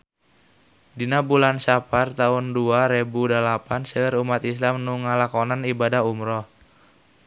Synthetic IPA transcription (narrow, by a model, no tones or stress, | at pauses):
dinabulansapart̪aʊnduaɾebudalapansəɾumat̪islamnuŋalakonanibadaɦumɾɔh